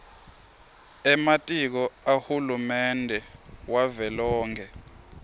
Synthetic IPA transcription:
ɛmatʼik̬ɔahulumɛndʱɛwavɛlɔːŋkʰɛ

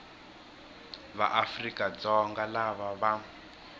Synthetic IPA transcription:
βa̰ʔafrikʼad͡zɔŋɡalaβaβa

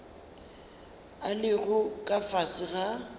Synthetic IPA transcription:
alɪɣʊkʼafasɪɣa

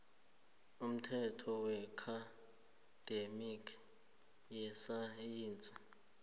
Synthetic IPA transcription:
um̩tʰɛtʰɔwɛkʰa | d̥emikʰ | jɛsajiːnt͡sʼa

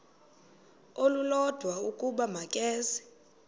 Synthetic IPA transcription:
olulɔd̥ʱwaukʼuɓamakʼɛːsɛ̥

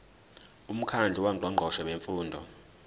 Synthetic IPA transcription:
um̩kʰand͡ɮʱiwaǃʱwaŋ͡ǃʱɔʃɛweɱfuːndʱɔ̰

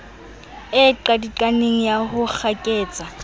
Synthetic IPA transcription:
ɪǃadiǃʼaneŋ̩jahʊk͡xʰakʼeːt͡sʼa

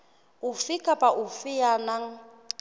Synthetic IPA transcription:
ʊfɪkʼapʼaʔʊfɪjanaŋ̩

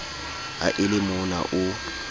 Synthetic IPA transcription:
a̰ʔɪlɪmʊna̰ʔʊ

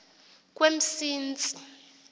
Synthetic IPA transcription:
k̬ʼwem̩siːnd͡zʼi̥

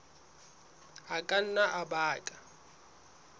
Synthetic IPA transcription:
akʼan̩naʔabaːkʼa

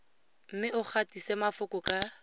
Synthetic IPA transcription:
m̩mɪʔʊk͡xʰatisɛmafʊkʊkʼa

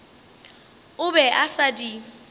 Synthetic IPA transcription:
ʊbɛʔasadi

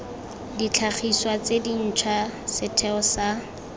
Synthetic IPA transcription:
dit͡ɬʰaχʰiswat͡sedin̩t͡ʃʰwasɪtʰɛɔsa

